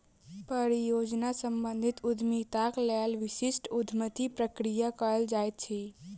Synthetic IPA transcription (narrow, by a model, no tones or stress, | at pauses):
pəɾijod͡ʒnasəmbənd̪ʱit̪ud̪ʱmit̪akləalʋɪsisʈud̪ʱmət̪ipɾəkɾijakəəld͡ʒaet̪̚t͡ʃʰi